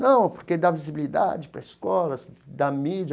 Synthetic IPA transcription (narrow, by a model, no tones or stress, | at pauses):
nɐ̃w̃poɾked̪avizibilid̪a̰d͡ʒɪpɾɐiskɔlɐsd̪ɐmid͡ʒɐ